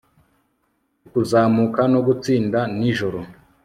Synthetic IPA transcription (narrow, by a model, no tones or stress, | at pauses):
kuzaːmukano̞ɡut͡siːndaniʒo̞ɾo